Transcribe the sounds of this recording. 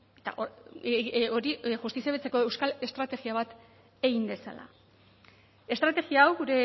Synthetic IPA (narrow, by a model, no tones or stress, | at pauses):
et̪a̰ʔo | o̞ɾiʝust̪isiaβet͡se̞ko̞e̞wskale̞st̪ɾat̪e̞ɣiaβ̞at̪ | e̞ɣimbe̞sa̰la̰ | est̪ɾat̪e̞ɣiaːwɣuɾe̞